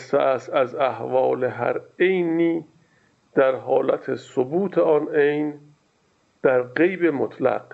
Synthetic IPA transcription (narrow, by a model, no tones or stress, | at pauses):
st̪eæst̪æzæhvɒːleɦæ̰ɾejniː | d̪̥æɾɦɒːlæt̪ʰesobuːt̪ʰeɒnejn | d̪̥æɾɢejbemot̪ʰlæ̰q